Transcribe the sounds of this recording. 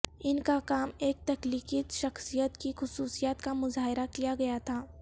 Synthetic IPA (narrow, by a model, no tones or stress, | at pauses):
ɪnkakaːmeːk̚t̪ɐkliːkiʃɐxsijət̪kixʊsuːsijaːt̪kamʊzaːɦɪɾakijaɡɐjat̪ʰaː